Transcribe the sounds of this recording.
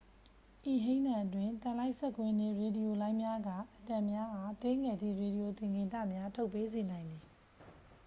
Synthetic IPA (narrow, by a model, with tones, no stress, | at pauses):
ʔi˨ɦẽ˦ɪ̃nã˨ʔətwɪ̃˨nt̪ã˨la˦ɪʔsɛ˦˨kwɪ̃˦nḛ˦˨ɹe˨di˨jo˨lã˦ɪ̃mja˦ɡa˦˨ʔətã˨mja˦ʔa˨t̪e˦ŋɛ˨d̪ðḭ˦˨ɹe˨di˨jo˨t̪ɪ̃˨ŋɡɪ̃˨tä̰˦˨mja˦tʰo˦ʊpːe˦ze˨nã˨ɪ̃nd̪ði˨